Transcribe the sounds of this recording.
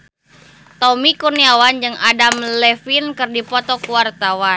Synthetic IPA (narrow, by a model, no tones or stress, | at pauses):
t̪ɔmikurniawand͡ʒɨŋadamlɛfinkɨrdipɔt̪ɔkuwart̪awa